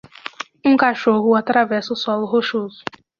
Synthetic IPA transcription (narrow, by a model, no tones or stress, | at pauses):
ũkaʃoɦʊat̪ɾavɛsɐʊsɔlʊɦoʃozʊ